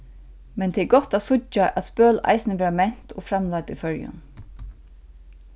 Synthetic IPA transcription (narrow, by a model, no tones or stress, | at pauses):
mɛnt̪ʰɛːɡɔht̪æt̪sʊt͡ʃːaʔæt̪spœːla̰ɪsnɪʋɛːɹamɛn̥t̪ofɾamlat̪ʏfœɹjʊ̰n